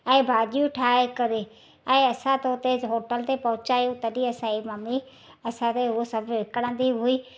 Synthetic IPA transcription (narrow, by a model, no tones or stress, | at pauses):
ɛ̃ːbʱaːɗijũʈʰaːekɐɾe | ɛ̃ːɐsãt̪oːt̪eɦoːʈəlt̪epɐɦʊ̃t͡ʃaːjũt̪ɐɗĩɐsãimɐmi | ɐsãt̪eɦʊsɐbʱʋɪkəɽ̃ə̃nd̪iɦʊiː